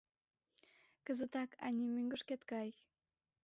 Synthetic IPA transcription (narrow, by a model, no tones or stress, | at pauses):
kəzət̪ɑkʰɑ̰nʲimyŋɡə̆ʃket̪kɑj